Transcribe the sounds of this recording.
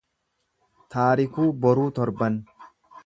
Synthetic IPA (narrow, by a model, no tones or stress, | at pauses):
t̪aːɾɪkuːbɔɾuːt̪ɔɾbɐn